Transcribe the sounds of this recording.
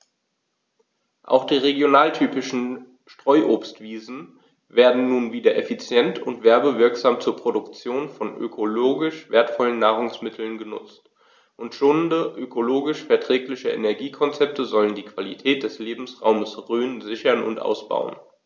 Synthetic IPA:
ʔa̰ʊxd̥iːʁeɡjonaːltʰyːpɪʃn̩ | ʃtʁ̥ɔʏʔoːpstv̥iːzn̩ | veːɐdn̩ːuːnviːdɐʔefit͡sjɛntʰʊntv̥ɛɐbəvɪɐkz̥aːmt͡suːɐpʁ̥odʊkt͡sjoːnfɔnʔø̰kʰoloːɡɪʃveːɐtfɔlənːaːʁʊŋsmɪtʰl̩nɡənʊ̰t͡st | ʔʊntʃoːnndəʔøkʰoloːɡɪʃfɛɐtʁ̥ɛːklɪçəʔḛnɛɐɡiːkʰɔnt͡sɛp̚tʰəzɔləndiːkv̥alitʰɛːt̚d̥ɛsleːbm̩sʁa̰ʊməsʁyːnzɪçɐnʊ̰ntʔa̰ʊsb̥a̰ʊə̰n

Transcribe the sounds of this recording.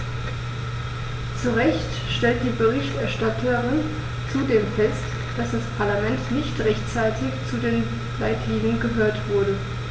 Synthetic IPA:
t͡suʁɛçt | ʃtɛlt̚d̥iːbəʁɪçtʔɛɐʃtatʰəʁɪn | t͡sudeːmfɛst | d̥asd̥aspʰaɐlamɛntnɪçtʁɛçtt͡saɪtʰɪçt͡sudeːn | laɪtʰliːɡənɡəɦøːɐtv̥ʊɐɾə

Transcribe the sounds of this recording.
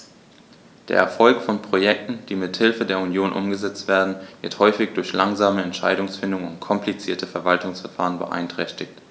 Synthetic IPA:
d̥eːɐʔɛ̰ɐfɔlkfɔnpʁ̥ojɛk̚tn̩d̥iːmɪthɪlfədeːɐunjoːnʔʊ̰mɡəzɛt͡stv̥eːɐdn̩vɪɐthɔʏfɪçd̥ʊɐçlaŋzaːməɛntʃa̰ɪɾʊŋsfɪndʊŋʊ̰ntkʰɔmplit͡siːɐtʰəfɛɐvaltʊŋsfɛɐfaːʁənbə̰ʔa̰ɪntʁ̥ɛçtɪçt

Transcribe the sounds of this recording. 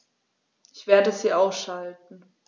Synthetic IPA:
ʔɪçv̥eːɐdəziːʔaʊsʃalt̚n̩

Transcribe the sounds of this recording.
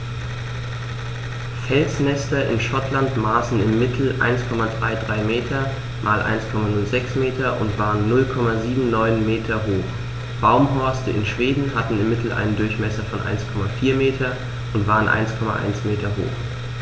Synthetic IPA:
fɛlsnɛstɐʔɪ̰nʃɔtʰlantmaːsn̩ɪmːɪtʰl̩ʔa̰ɪnskʰɔmadʁaɪdʁaɪmeːtʰɐ | mʔaːlʔa̰ɪnskʰɔmanʊlzɛksmeːtɐʔʊ̰ntv̥aːʁənːʊlkʰɔmaziːbm̩nɔʏnmeːtʰɐɦoːx | b̥aʊmɦɔɐstəʔɪ̰nʃv̥eːdn̩hatn̩ɪmːɪtl̩ʔa̰ɪnəndʊɐçmɛsɐfɔnʔa̰ɪnskʰɔmafiːɐmeːtʰɐ | ʔʊntv̥aːʁənʔa̰ɪnskʰɔma̰ʔa̰ɪnsmeːtɐɦo̰ːx

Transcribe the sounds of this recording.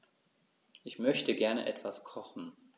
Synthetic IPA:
ʔɪçmœçtəɡɛɐnə̰ʔɛtv̥askʰɔχn̩

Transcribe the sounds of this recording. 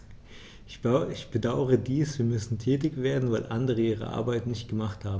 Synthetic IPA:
ɪçb̥ədaʊəʁədiːsv̥iːɐmʏsn̩tʰɛːtɪçv̥eːɐdn̩vaɪlʔa̰ndəʁ̞əiːʁ̞ə̰ʔa̰ɐbaɪtnɪçt̚ɡ̥əmaχthaːbm̩

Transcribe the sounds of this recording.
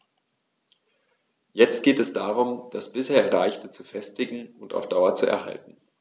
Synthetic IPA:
jɛt͡st̚ɡ̥eːtɛsd̥aːʁʊmd̥asb̥ɪsheːɐʁaɪçtət͡sufɛstɪɡŋ̩ʊnta̰ʊfd̥aʊɐt͡suɛ̰ɐha̰ltn̩

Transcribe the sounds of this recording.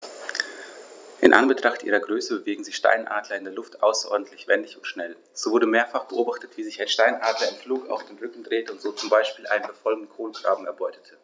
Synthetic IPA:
ʔɪ̰nʔa̰nbətʁ̥aχtʔiːʁɐɡʁøːsəbəveːɡŋ̩zɪçʃta̰ɪnʔa̰ːdlɐɪndeːɐlʊftʔa̰ʊsɐʔɔ̰ɐdn̩tʰlɪçv̥ɛndɪçʊntʃnɛl | z̥oːvʊɐɾəmeːɐfaχb̥əʔoːbaχtətv̥iːzɪçaɪnʃtaɪnʔaːdlɐɪnfluːɡəa̰ʊfd̥eːnʁʏkŋ̩dʁeːtəʊntz̥oːt͡sʊmbaɪʃpiːlʔa̰ɪnənbəfɔlɡn̩kʰoːnɡʁa̰ːbm̩ɛɐbɔʏtə̥tʰə

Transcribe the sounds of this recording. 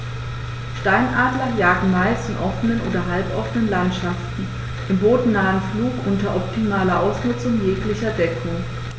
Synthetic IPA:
ʃtaɪnʔaːdlɐjaːɡŋ̩maɪstɪnʔɔfənənʔo̰ːdɐɦalpʔɔfənənlantʃaftn̩ | ʔɪmboːdn̩naːənfluːkʔʊntɐʔɔp̚tʰimaːlɐʔaʊsnʊt͡sʊŋjeːklɪçɐdɛkʰʊŋ

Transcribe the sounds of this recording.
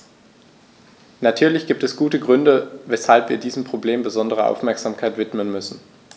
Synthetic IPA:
natʰyːɐlɪçɡ̥iːp̚tɛsɡ̥uːtəɡʁʏndəvɛshalpviːɐdiːzm̩pʁ̥obleːmbəzɔndəʁ̞əʔa̰ʊfmɛɐkz̥aːmkʰaɪtv̥ɪtmənmʏsn̩

